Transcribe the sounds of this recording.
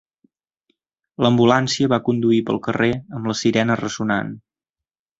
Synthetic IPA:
ləmbulansiəβakund̪uipə̰lˠkəreəmləsiɾɛnərəzuna̰n

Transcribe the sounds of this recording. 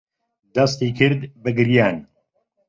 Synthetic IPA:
d̪ɐst̪ikʰɨɾd̪bɨɡɨɾjaːn

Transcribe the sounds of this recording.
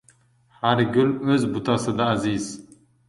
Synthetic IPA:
haɾɡʊløzbut̪ʰɑsɨd̪aːziz̥

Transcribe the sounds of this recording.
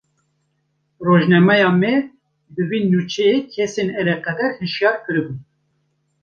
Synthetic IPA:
roːʒnɛmɛjɑːmɛ | bɨwiːnut͡ʃʰɛjekʰɛsenɛɾɛqɛd̪ɛɾhɨʃjɑːɾkʰɨɾɨbun

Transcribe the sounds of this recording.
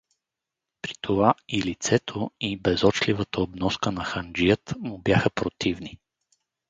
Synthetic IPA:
pɾi̥t̪ʰovailit̪sɛt̪ʰoibɛzɔt͡ʃlʲivət̪əobnɔskənɐxand͡ʒijət̪mʊbjaxəpɾot̪ivni

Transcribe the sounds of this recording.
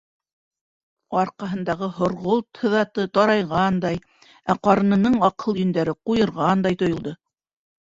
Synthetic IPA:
ɑɾqɑɦɤ̆nd̪ɑʁɤɦŏɾʁolˠt̪hɤ̆ðɑt̪ɤt̪ɑɾɑjʁɑnd̪ɑj | æqɑɾɤ̆nɤ̆nɤɴɑqɤlˠjɵ̆nd̪æɾɘqujɤ̆ɾʁɑnd̪ɑjt̪ŏjŏlˠd̪ɤ

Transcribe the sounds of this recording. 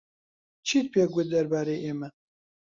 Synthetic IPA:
t͡ʃʰiːt̪̚pʰeːɡʷʊd̪ɐɾbaːɾejʔeːmɛ

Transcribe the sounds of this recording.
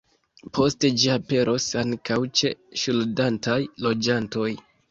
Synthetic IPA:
pʰo̞ste̞d͡ʒiape̞ɾʔo̞saŋkawt͡ʃe̞̰ʃuldantʰajlo̞d͡ʒanto̞j

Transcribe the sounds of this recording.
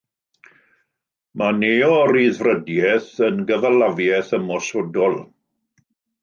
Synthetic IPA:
maneːɔɾiːðvrədjɛθənɡəvalavjɛθəmɔsɔdɔlˠ

